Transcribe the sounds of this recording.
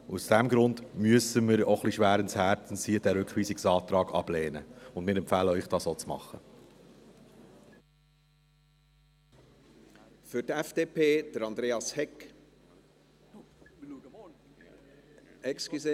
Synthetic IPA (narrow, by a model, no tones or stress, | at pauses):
usd̥ɛmɡɾʊndmyəsəməɾoχliʃʋæːɾəɪnshæːɾtn̩siəd̥æɾʉkχʋiːsɪksɑːt̪ɾɑːɡɑ̰b̥leːnəʊndmɪːɾɛmpfæːləœʏχd̥ɑːsoːt͡smɑ̰χə | fʏtɛfd̥eːpʰeːd̥əɾɑnd̪ɾeːɑshɛk | ɛkskye